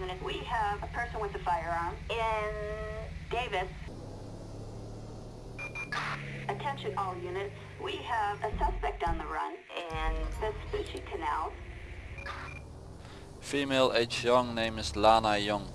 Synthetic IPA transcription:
ʉnɨt̚wiəvəpʰɜ˞sə̃nwɨðɨfaɪə˞ə̃nɪ̃nd̥eɪvɨs | ɨtʰɛ̃nʃɨ̃nɔlˠjʉnɨt̚ | wiəvɨsʌspɛk̚tn̩ðəɹʌ̰̃nʔɪ̃nðɪsbʉʃikʰɨnæ̰lˠz̥ | fiːmeɪlʔeɪt͡ʃjʌ̃ŋnẽɪ̃mzlaːnəjʌ̃ŋ

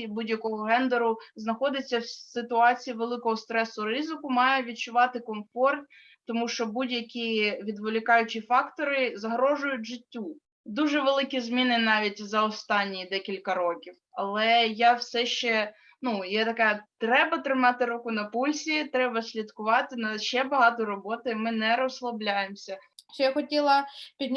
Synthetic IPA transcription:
budʲjɐkɔɦɔɦɛnd̪eɾʊznɐxɔd̪ɪt͡sʲːɐwsɪt̪ʊɑt͡sʲijiʋelˠɪkɔɦɔst̪ɾɛsʊrɪzɪkʊmɑjɛʋʲid̪̚t͡ʃʊʋɑt̪ɪkɔmfɔrt̪ | t̪ɔmuʃt͡ʃɔbudʲjɐkʲiʋʲid̪ʋɪlʲɪkɑjʊt͡ʃʲifɑkt̪ɔɾɪzɐɦɾɔʒʊjʊtʲʒɪtʲːu | d̪uʒɛʋelˠɪkʲizmʲinɪnɑʋʲitʲzɐɔst̪ɑnʲːid̪ɛkʲilʲkɐɾɔkʲiwɐlˠɛjɑwsɛʃt͡ʃɛ | nujɛt̪ɐkɛt̪ɾɛbɐt̪ɾɪmɑt̪ɪɾukʊnɐpulʲsʲit̪ɾɛbɐsʲlʲid̪kʊʋɑt̪ɪnɐʃt͡ʃɛbɐɦɑt̪ɔɾɔbɔt̪ɪmɪnɛɾɔslˠɐblʲajemsʲɐʃt͡ʃɔjaxɔtʲilˠɐpʲid̪ʲn

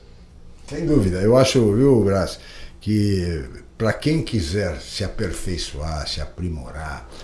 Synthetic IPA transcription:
sẽj̃d̪uvid̪ɐewaʃʊviwbɾas | kɪ | pɾɐkẽj̃kizɛɾsɪapeɾfejsuaɾsɪapɾimo̰ɾaɾ

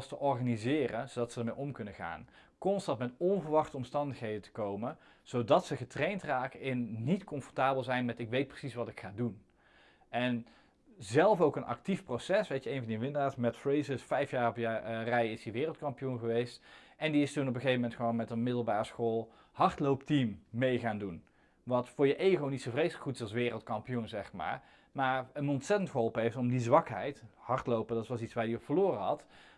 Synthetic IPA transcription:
stəʔɔɹχanizɪːrənzowdɑtsədəɹmejʔɔmkɵnəχa̰ːnkɔnstɑntmɛtɔnvəɹʋɑχtəɔmstɑndəxɦejdətə̥kowmə | z̥owdɑtsəχətrejntraːkəɪnnitkɔmfɔɹtaːbəlˠzɛjnmɛtɪkʋejt̚prə̥sisʋɑtɪkχaːdun | ʔɛn | zɛlˠfowkənʔɑ̰k̚tifprosɛsʋejtəejnvɑndiʋɪndəaːtsmɛtfrejzəsfɛjfjaːrɔpjarɛjɪsiʋɪːrəl̩ˠtkɑmpijunɣəʋejstʔɛndiɪstunɔp̬əχejvəmɛntχəʋownmɛtənmɪdəl̩ˠbaːrəsxoːlˠ | hɑɹtlowptimːejɣaːndun | ʋɑtfʊːɹjəʔejɣownitsowvrejsləkχutɪ̥sɑlˠsʋɪːrəlˠtkɑmpijunzɛχma̰ːɹ | maːɹənɔntsɛtəntχəɦɔlˠpəɦejftɔmdizʋɑkɦɛ̰jthɑɹtlowpədɑtʋɑlˠsitsʋaːɹdiɔpfəɹloːrəɦɑ̰t

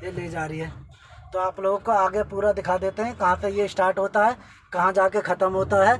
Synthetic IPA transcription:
eleĩd͡ʒaːɾiɦɛː | t̪oaːploːɡkoaːɡepuːɾad̪ɪkʰaːd̪eːt̪eɦɛ̃kɐɦãsejeɪsʈaːɾʈɦoːt̪aɦɛː | kɐɦãd͡ʒaːkekʰɐt̪əmɦoːt̪aɦɛː

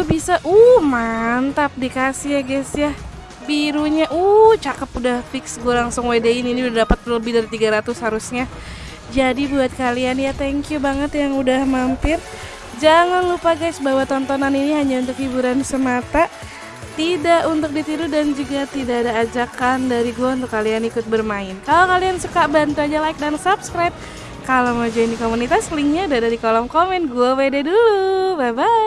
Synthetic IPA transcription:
ubisaʔuhhmant̪ap̚dikasijaɡasjah | biɾuɲaʔut͡ʃakəpudahfɪksɡualaŋsʊŋwedeiniːniudadapat̪̚ləbɪhdaɾit̪iɡaɾat̪ʊshaɾusɲa | d͡ʒadibuat̪̚kalianjat̪ɛŋkjubaŋət̪jaŋudahmampɪr | d͡ʒaŋanlupaɡajsbawat̪ɔnt̪ɔnaniniɦaɲaunt̪ʊkhibuɾansəmat̪a | t̪idaʔunt̪ʊk̚dit̪iɾudand͡ʒuɡat̪idaːdaːd͡ʒakandaɾiɡuaunt̪̬ʊkːalianikʊt̪̚bərmaɪnkalakaliansukabant̪uaɲalaɪik̚dansapskɾajp̚ | kalowmad͡ʒainikomunit̪asliŋɲaudadadikolɔmkomɛnɡuawededulubaba

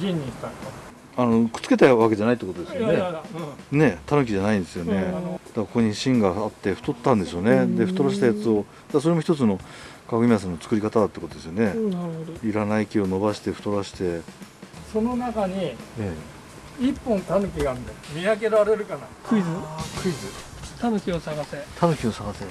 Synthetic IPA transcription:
ɡʲĩɲʲːĩɕt̪ãŋka | anokɯ̥t͡sɨ̥ke̞t̪aβake̞d͡ʑanait̪ːekot̪od̪esjjone | ne̞t̪ʰanɯ̟k̬ʲiʑanaĩnd̪e̞sɨjo̞ned̪̥akkokoɲiɕĩŋɡaːt̪ːe̞ɸɯ̥t̪o̞t̪ːãnd̪e̞so̞ːne̞d̪e̞ɸɯ̟̥t̪o̞ɾaɕi̥t̪ajat͡sɨo̞ | d̪asoɾemoçi̥t̪ot͡sɨno̞kakɯ̟mʲias̬ãnːot͡sɨ̥kɯ̟ɾikat̪ad̪at̪ekot̪od̪esɨjone̞naɾɯhod̪oiɾanaikʲio̞no̞baɕi̥t̪e̞ɸɯ̟t̪o̞ɾaɕi̥t̪e̞ | so̞no̞nakaɲ̟ie | ipːõ̞nt̪anɯ̟k̬ʲiɡaːnd̪emʲiak̬e̞ɾaɾe̞ɾɯ̟kanakɯ̟izɨkɯ̟izɨ | t̪anokʲiosaɡaset̪ʰanɯkʲiosaɡase

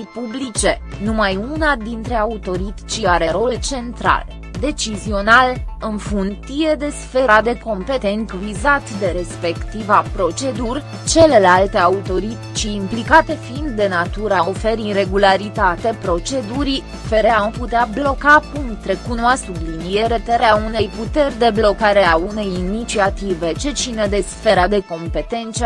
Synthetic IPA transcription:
ipublit͡ʃe̞numajunad̪int̪ɾe̞aut̪o̞ɾit̪i̥t͡ʃiaɾe̞ɾo̞lt͡ʃe̞nt̪ɾa̰l | d̪e̞t͡ʃizio̞nalɨnfunt̪ije̞d̪e̞sfe̞ɾad̪e̞ko̞mpe̞t̪e̞nkvizat̪d̪e̞ɾe̞spe̞kt̪ivapɾo̞t͡ʃe̞d̪urʲ | t͡ʃe̞le̞lalt̪e̞aut̪o̞ɾit̪it͡ʃiːmplikat̪e̞fiind̪ːe̞nat̪uɾao̞fe̞ɾire̞ɡulaɾit̪at̪e̞pɾo̞t͡ʃe̞d̪uɾi | fe̞ɾe̞amput̪eablo̞kakumt̪ɾe̞kunoasublinie̞ɾe̞t̪eɾeaune̞jput̪e̞rʲd̪e̞blo̞kaɾe̞aune̞jinit͡ʃiat̪ive̞t͡ʃe̞t͡ʃined̪e̞sfe̞ɾad̪e̞ko̞mpe̞t̪e̞nt̪s

